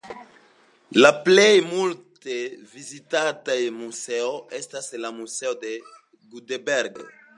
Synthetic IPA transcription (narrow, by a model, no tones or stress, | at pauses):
laplejmult̪evizit̪ad̪ɐemuzewest̪aselamusewd̪e | ɡud̪ebɛɾɡḛ